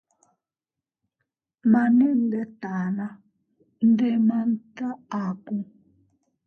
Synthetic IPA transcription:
ma˨nɛ˦n˨dɛ˦ta˨na˦ | n˦dɛ˦ma˨n˦ta˦a˨ku˦

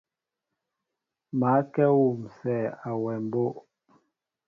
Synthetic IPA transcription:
ma˨˦kɛ˦wu˨msɛ˦˨a˨wɛ˨m˨bo˦ʔ

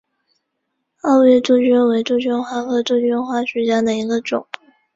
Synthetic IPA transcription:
ɑ˥˧ʊɥɛ˥˧t͡su˥˩t͡ɕɥy˥nwe˧˥ɪʈ͡ʂu˥˧t͡ɕy˥nxwa˥˩kʰɤ˥ʈ͡ʂ̪u˥˧t͡ɕɥy˥nxwa˥˩ɕɥɛ˧˥t͡ɕja˥d̪ə˨i˧˥ɡə˧ʈ͡ʂʊ̰˨˩˦ŋ

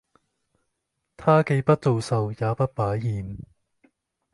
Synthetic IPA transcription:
t̪ʰaː˥ke˧jpɐ˥t̚t͡so˨˧wsɐ˨wjaː˨˧pɐ˥t̚paː˨˥jːiː˨n

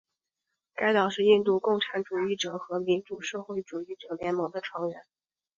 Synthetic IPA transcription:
ka˥ɪt̪ɑ˨˩ʊʂɻ̩˥˧i˥˧nt̪u˥˧kʊ˥˩ŋʈ͡ʂʰa˧˥nʈ͡ʂu˨˩i˥˩ʈ͡ʂɤ˨˩xɤ˧˥mi˧˥nʈ͡ʂu˨˩ʂɤ˥˧xwe˥˩ɪʈ͡ʂu˨˩i˥˩ʈ͡ʂɤ˨˩ljɛ˧˥nmɤ˧˥ŋd̪ə˧ʈ͡ʂʰwɑ˧˥ŋɥɛ˧˥n

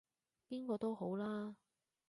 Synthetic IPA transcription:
piː˥nkɔː˧t̪o˥wɦo˨˥wlaː˥

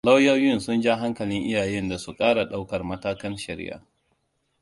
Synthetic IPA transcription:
la˦wjɐ˦wjɪ˦nsʊ˦nd͡ʒa˦ɦa˦ŋkɐ˨lɪ˦ŋʔɪ˦jaː˨jɛ˦nda˨su˨kʼaː˦ɽa˨ɗa˦wkɐ˨rmɐ˦taː˦kɐ˦nʃɐ˨ɾɪ̰˦ʔa̰ː˨

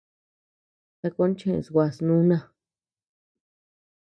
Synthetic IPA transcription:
t̪a˧ko˦n˦t͡ʃẽ˦˧˨swʷa˧˨snũ˦nã˧˨

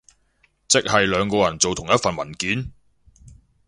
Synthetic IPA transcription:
t͡sɪ˥k̚hɐ˨jlœː˨˧ŋkɔː˧jɐ˨˩nt͡so˨wt̪ʰʊ˨˩ŋjɐ˥t̚fɐ˨nmɐ˨˩nkiː˨˥n

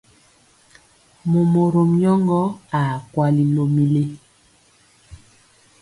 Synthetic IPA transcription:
mo˨mo˨ɾo˨mjɔ˦ŋɡɔ˦a˨kwa˦li˦lo˨mi˦le˦

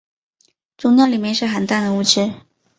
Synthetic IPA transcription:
ʈ͡ʂʊ˥ŋnjɑ˥ʊli˨˩mjɛ˥˧nʂɻ̩˥˧xə˨˩nt̪a˥˩nd̪ə˩u˥˩t͡ɕʰɻ̩˥

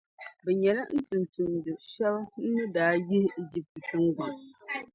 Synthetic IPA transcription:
bɛ˨ɲɛ˨la˦n̩˦tun˨ntu˨mdɨ˨ʃɛ˦bn̩˦nɨ˦daː˨˦jɪ˦he˨d͡ʒi˦p̚tɨ˨tɨ˦ŋɡa˨m

